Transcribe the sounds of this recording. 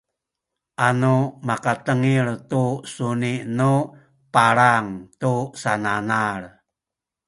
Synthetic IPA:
ʔanumakat̪əŋirt̪usuniʔnu | paɾaŋt̪usananar

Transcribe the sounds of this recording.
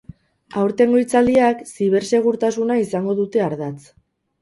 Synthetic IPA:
awɾt̪e̞ŋɡo̞jt͡sald̪iaksiβ̞e̞ɾse̞ɣ̞uɾt̪asunaisaŋɡo̞ðut̪e̞aɾðat͡s

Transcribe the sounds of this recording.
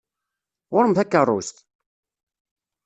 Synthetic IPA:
wʊɾəmθækːərˤːʊ̰st̪

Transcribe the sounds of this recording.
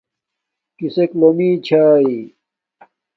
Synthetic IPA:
kiseklomiːt͡ɕʰaːi

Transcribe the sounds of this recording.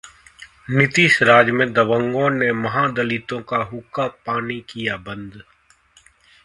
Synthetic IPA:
nɪt̪iʃɾaːd͡ʒmẽd̪ɐʋə̃ŋɡõnemɐɦaːd̪ɐlɪt̪õkaɦʊkapaːnikijabɐ̃nd̪

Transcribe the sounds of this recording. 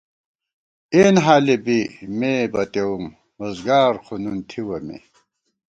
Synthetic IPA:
eːnɦaːlebimebɐt̪ewum | oːzɡaːɾqʰununt̪ʰiwɐmḛ

